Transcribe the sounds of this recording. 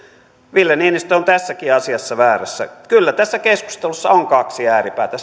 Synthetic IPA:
ʋilːeniːnist̪øont̪æsːækiɑsiɑsːɑʋæːræsːæ̰kylːæt̪æsːækesku̥st̪elusːɑoŋkɑksiæːripæːt̪æ

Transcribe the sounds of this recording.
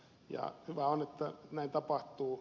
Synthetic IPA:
jɑ̰hyʋæonet̪ːænæˑint̪ɑpɑht̪uː

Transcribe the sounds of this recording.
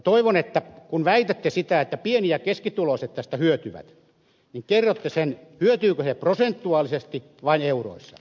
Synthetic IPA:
t̪oiʋonet̪ːækunʋæit̪æt̪ːesit̪æet̪ːæpienijækeskit̪uloset̪ːæst̪æhyøt̪yʋæ̰t̪ | niŋkerːot̪ːesenhyøt̪yːkøseprosent̪ːuɑːlisest̪i | ʋɑineuro̰isːɑ̰

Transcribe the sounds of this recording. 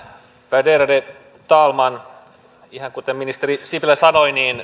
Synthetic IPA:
fædeɾɑde | t̪ɑːlmɑn | ihɑŋkut̪emːinist̪eɾisiplæsɑnoiniːn

